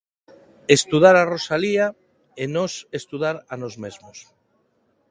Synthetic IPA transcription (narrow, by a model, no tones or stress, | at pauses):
est̪uðaɾarosalia | enosest̪uðaɾanozmezmos